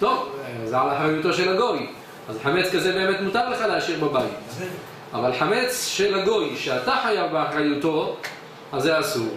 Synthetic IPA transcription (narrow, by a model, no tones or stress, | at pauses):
t̪o̞vzealaħʁajuto̞ʃe̞laɡo̞j | ʔazħame̞t͡skazebe̞eme̞tmutaʁleχaleaʃiʁbabait | ʔavalħame̞t͡sʃelhaɡo̞jʃeataħajavbeaħʁajuto̞ | azːeasuʁ